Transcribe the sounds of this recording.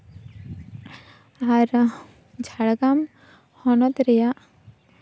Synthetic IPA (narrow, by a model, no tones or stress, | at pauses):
aɾ | d͡ʒʱaɽɡam | hɔnɔt̪ɾɛjaʔ